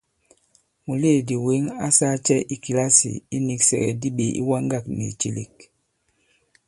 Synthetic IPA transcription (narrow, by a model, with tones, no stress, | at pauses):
mu˨le˦˨di˨we˨˦ŋa˦sa˦t͡ʃɛ˦ʔi˨ki˨la˦sḭ˨i˦ni˨ksɛ̰˨ɡɛ̰˨di˦ɓe˨ḭ˦wa˦ŋ˦ɡa˦˨k̚nḛ˨t͡ʃe˨lḛ˨k̚